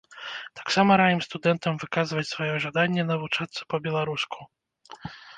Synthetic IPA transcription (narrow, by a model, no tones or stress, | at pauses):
t̪ḁksamɐɾajɨmst̪ud̪ɛnt̪ɐmvɨkazvɐt͡sʲsvajɔʐad̪anʲːɛnɐvut͡ʂat̪sːɐ̥pɐbʲɛlˠaɾuskʰu̥